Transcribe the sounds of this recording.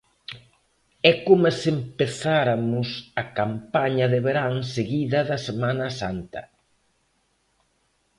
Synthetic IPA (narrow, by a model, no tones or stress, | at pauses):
ɛkomesempeθaɾɐmʊsɐkampaɲɐðɪβeɾaŋseɣiðɐðɐsemanɐsant̪ɐ̰